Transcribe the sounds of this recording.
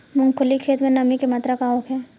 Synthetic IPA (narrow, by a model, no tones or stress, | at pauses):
mʊ̃ŋkʰʊlikʰeːt̪mẽnɐmikemat̪ɾakaɦoːkʰɛː